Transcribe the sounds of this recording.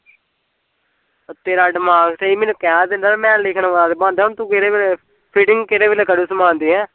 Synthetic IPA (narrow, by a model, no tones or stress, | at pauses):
t̪eːɾaːɖɪmaːɡseːiːmeːnũːkɛːd̪ẽːnd̪aːmɛ̃ːlɪkʰnãːʋad̪ebãːnd̪aːɦʊnt̪ũːkeɾeːʋele | pʰiːʈɪ̃ŋɡkeːɾeːʋeːleːkəɽuːsəmãːnd̪iːɦɛ̃ː